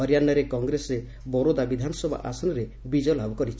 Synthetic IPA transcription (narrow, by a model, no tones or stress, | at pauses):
ɔɾjanɔɾekɔŋɡɾese | bɔɾod̪abid̪ʱanɔsɔbʱa̰ʔa̰sɔnɔɾe | bid͡ʒɔlʱabɔkɔɾit͡ʃʰ